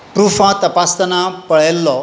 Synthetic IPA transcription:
pɾufãt̪əpast̪ənãpəɭelːɔ

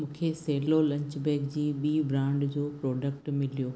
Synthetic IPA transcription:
mũːkʰeseːlolɐ̃ɲt͡ɕbeːkd͡ʑiːɓiːbɾãːɳɖd͡ʑoːpɾoːɖək̚ʈmɪlijoː

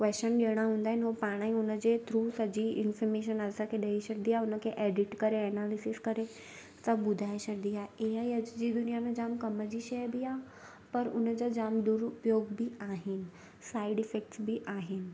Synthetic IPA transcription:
kʋɛːst͡ʃənɗeɽ̃aɦũːnd̪aːɦɪnɪɦopaːɽ̃aĩʊnəd͡ʑet̪ʰɾuːsɐd͡ʑiɪnfɔɾmeːʃ̬ənɐsãkʰeɗɐiɕəɾd̪iaʊnə̆kʰeʔɛːɖɪʈkɐɾeɛnaːlɪsɪskɐɾe | sabʊd̪ʱaːeɕəɾd̪ijaːeɦaiɐd͡ʑd͡ʑid̪ʊnijamẽd͡ʑaːmkɐməd͡ʑiʃɐjbiaː | pɐɾʊnəd͡ʑad͡ʑaːmd̪ʊɾʊpjoːɡbʱiaːɦɪnɪ̆ | saːɪɖɪfek̚ʈsbiʔaːɦɪnɪ̆

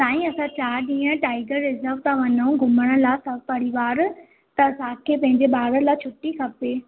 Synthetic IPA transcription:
saːĩɐsãt͡ɕaːɾɗĩːə̃ʈaːɪɡəɾːɪzəɾʋt̪ʰãʋɐnũɡʱʊməɽ̃ə̆laːsɐbʱpɐɾiʋaːɾ | t̪ɐːsãkʰeːpɐ̃ɦɪ̃ɲd͡ʑeɓaːɾəlaːt͡ɕʰʊʈːikʰɐpeː

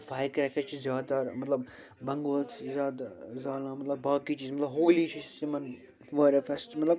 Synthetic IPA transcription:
faːjkɾɛkʰet͡ʃʰizjaːd̪aɾmɐt̪lɐb | bɐŋɡoːlt͡ʃʰzaːd̪zaːlãːmɐt̪lɐbːaːkiːt͡ʃiːzmɐt̪lɐbɦoːliːt͡ʃʰisɪmɐn | ʋɐːɾefɛsʈmɐt̪lɐb

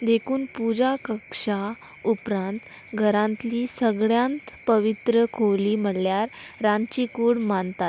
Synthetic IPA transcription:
d̪ekʰuːnpud͡ʑakəkʂa | upɾãnt̪ | ɡʱəɾãnt̪liːsəɡɭjãnt̪ | pəʋit̪ɾəkʰowliːm̤əɽljaɾː | ãnt͡ɕikuːɽmant̪at̪

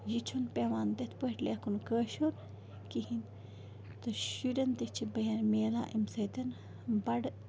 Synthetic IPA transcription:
jit͡ʃʰunpeʋaːnd̪ɐt̪ʰpəʈʲleːkʰunkəːʃuɾ | kihin | t̪ɐʃuɾɐnt̪ɐt͡ʃʰibɐjɐnmeːla̰ːʔimsɐt̪ɐn | bɐɽ

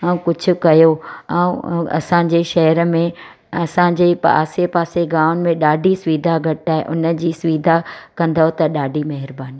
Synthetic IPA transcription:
ɛ̃ũkʊd͡ʑʱʊ̆kɐjoɛ̃ũɐ̰sãːɲd͡ʑeʃɐɦəɾəmẽ | ɐsãːɲ̆d͡ʑepa̰ːsepaːseɡaːʊnɪ̆mẽɗaːɖʱisʊʋiːd̪ʱaɡʱɐʈaːɦḛʔʊnə̆d͡ʑiːsʊʋiːd̪ʱakɐ̃nd̪aɦot̪ɐɗaːɖʱimɐɦɪɾbaːni

